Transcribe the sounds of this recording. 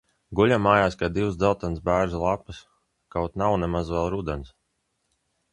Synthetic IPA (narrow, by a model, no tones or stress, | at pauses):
ɡulʲamːaːjaːskad̪iwzd̪zalˠt̪ansbæːɾzlˠapɨs | kawt̪nawnɛmazvɛlˠɾud̪ɛns